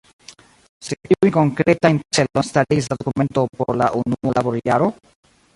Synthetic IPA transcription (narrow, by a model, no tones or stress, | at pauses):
seʔiiko̞ŋkɾe̞tajnt͡selonstaɾis̬ladokume̞nto̞po̰ɾla̰ʔunuolʔabo̞ɾiaɾo̞